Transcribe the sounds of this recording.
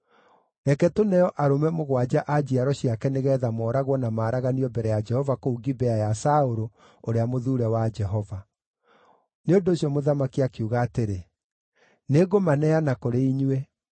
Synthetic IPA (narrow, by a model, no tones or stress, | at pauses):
ɛkɛtonɛjɔʔaɾomɛmoɣwad͡ʑaʔad͡ʑiaɾɔɕiakɛneɣɛːðamɔːɾaɣwɔnamaːɾaɣaniɔbɛɾɛjad͡ʒɛhɔvakouɡibɛajasaoɾo | oɾeamoðuɾɛwad͡ʒɛɦɔva | neondoːɕiɔmoðamakiakeuɣaːteɾe | neɡomanɛanakoɾeiɲwɛ